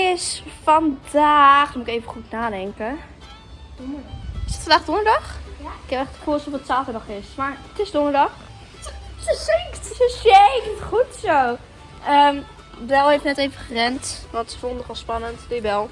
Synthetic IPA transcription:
ɪsfɔndaːχdmuɪkejvəχutnaːdɛŋkə | dnɪsətfndaːχdɔndədɑχɪkɛpɛχtχəfulˠsɔfətsaːfənɔχɪsmaɹətɪsdɔndədɑχ | sɪŋktsəseitχutsow | əm | bɛlˠejftnɛtejvəχərɛntʋɑntsə̥fondnəχɔlˠspɑnəntdebɛlˠ

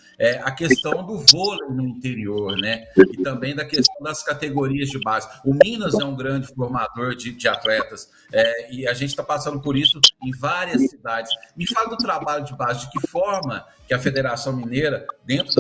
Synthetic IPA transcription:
ɛʔɐkest̪ɐ̃w̃d̪ʊvoleɾnʊĩnt̪eɾioɾnɛɪt̪ɐ̃mbẽj̃d̪ɐkest̪ɐ̃w̃d̪ɐskat̪eɡoɾiɐzd͡ʒɪbazɪʊmĩnɐzɛũɡɾɐ̃d͡ʒɪfoɾmad̪oɾd͡ʒɪd͡ʒɪat̪lɛt̪ɐs | ɛɪaʒẽnt͡ʃɪt̪apasɐ̃nd̪ʊpoɾisʊẽj̃vaɾiɐsːid̪ad͡ʒɪsɪfalɐd̪ʊt̪ɾabaʎʊd͡ʒɪbazɪd͡ʒɪkɪfɔɾmɐ | kɪɐfed̪eɾasɐ̃w̃mĩnejɾɐd̪ẽnt̪ɾʊ

